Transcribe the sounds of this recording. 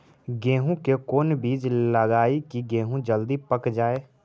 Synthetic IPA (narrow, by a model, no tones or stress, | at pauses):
ɡẽːɦũkekoːnbiːd͡ʒləɡaːikiɡẽːɦũd͡ʒəld̪iːpəkd͡ʒaːeː